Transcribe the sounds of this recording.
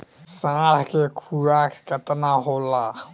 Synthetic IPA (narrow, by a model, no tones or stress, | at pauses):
sãːɾkekʰuɾakkət̪naɦola